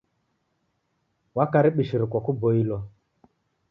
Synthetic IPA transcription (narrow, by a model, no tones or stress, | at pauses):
wakaɾɪɓiʃiɾɪkʷɔkubɔilɔ